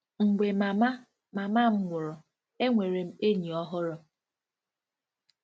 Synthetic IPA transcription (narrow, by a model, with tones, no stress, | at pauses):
ŋ̩˨ɡ͡be˨ma˨ma˦ | ma˨ma˦m̩˦ŋʷʊ˨ɾɔ˨ | e˦ŋʷe˨ɾe˨m̩˦e˦ɲi˨ɔ˦ɦʊ˦ɾɔ˦